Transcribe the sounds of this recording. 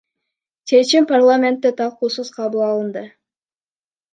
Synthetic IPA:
t͡ʃʰe̞t͡ʃimparlˠamʲe̞nt̪ːɪt̪ʰɑlˠquːsəz̥qʰɑβulˠɑlˠənd̪ə

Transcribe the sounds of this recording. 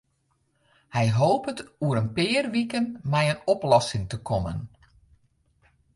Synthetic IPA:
hɛjɦoːpətuəɾənpɪːrʋikənmɛjənɔplɔsɪŋtəkʰɔmə̰n

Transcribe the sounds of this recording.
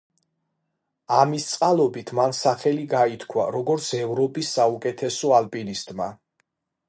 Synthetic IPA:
amist̪sʼqʼalˠɔbit̪ʰmansaχɛliɡait̪ʰkʰwa̰ɾɔɡɔɾt̪sʰɛvɾɔpʼisːaukʼɛt̪ʰɛsɔalpʼinist̪ʼma

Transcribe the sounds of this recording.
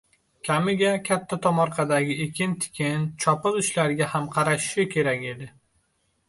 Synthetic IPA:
kʲʰamɪɡʲakʲʰat̪ʰːat̪ʰɒmɒɾqʰɑd̪aɡʲɪekʲʰɪnt̪ʰɪ̥kʲʰɪnt͡ʃʰɒpɨlʊʃlaɾɡʲahamqʰɑɾaʃɪ̥ʃɪkʲʰe̞ɾakʲe̞d̪ɪ

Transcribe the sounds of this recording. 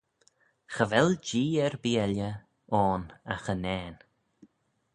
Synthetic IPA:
xəvɛld͡ʒiːɛɹbiɛljə | ɔːnaxənɛːn

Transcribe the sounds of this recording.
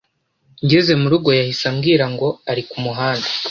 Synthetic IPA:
ɲɟeze̞muɾuɡo̞jahisamɡiːɾaŋɡo̞aɾikumuɦaːndḁ

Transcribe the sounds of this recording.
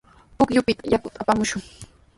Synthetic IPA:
pʊkjʊpɪt̪ajakʊt̪ʼapamʊʃʊŋ

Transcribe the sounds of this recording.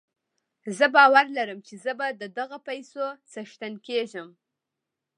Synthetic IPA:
zəbɑwaɾlaɾəmt͡ʃezəbad̪əd̪aɣapajsot͡saʃt̪ankeʒəm

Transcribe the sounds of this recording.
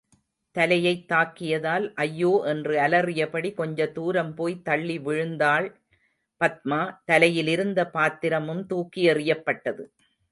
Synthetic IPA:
t̪ɐlɐjɐɪt̪ːaːkːɪjɐðaːlʔɐjːoːʔɛndrɯɐlɐrɪjɐpɐɽikɔɲd͡ʒɐt̪uːɾɐmpoːjt̪ɐɭːiʋɪɻɯnd̪aːɭ | pɐt̪̚maːt̪ɐlɐjɪlɪɾɯnd̪ɐpaːt̪ːɪɾɐmɯmt̪uːkːɪjɐrɪjɐpːɐʈːɐðɯ

